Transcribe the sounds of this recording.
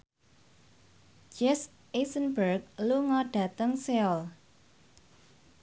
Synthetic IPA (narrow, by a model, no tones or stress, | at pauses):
d͡ʒɛs | ʔesənbərk̚luŋɔɖ̥ä̤t̪əŋseɔl